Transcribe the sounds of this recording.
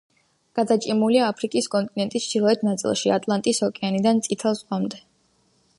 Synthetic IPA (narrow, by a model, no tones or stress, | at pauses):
ɡ̥ad̪at͡ʃʼimuliaːpʰɾikʼiskʼɔnt̪ʼinɛnt̪ʼist͡ʃd̪̥ilˠɔɛt̪ʰnat̪sʼḭlˠʃia̰t̪ʼlˠant̪ʼisɔkʼɛanid̪ant̪sʼit̪ʰɛlˠsqʼamd̪ɛ